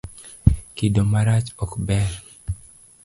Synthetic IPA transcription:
kidomaɾat͡ʃɔkbɛɾ

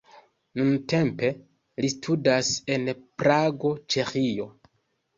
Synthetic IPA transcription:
nunte̞mpe̞ | listʰudase̞npɾaɡo̞t͡ʃe̞xio̞

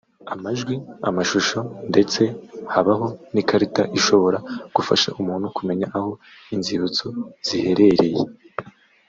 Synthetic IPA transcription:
amaʒɡwia̰maʃuʃo̞nde̞t͡se̞haβaɦo̞nikaɾitaʔiʃo̞βo̞ɾaɡ̥ufaʃa̰ʔumuːnhukume̞ɲaʔaho̞ | inziβut͡soz̥ihe̞ɾe̞ɾe̞jḛ

